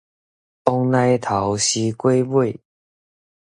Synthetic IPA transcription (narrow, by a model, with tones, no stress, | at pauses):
ɔ˧ŋnã˧t̪ʰa˨˦wɕi˧kwe˦bwe˥˨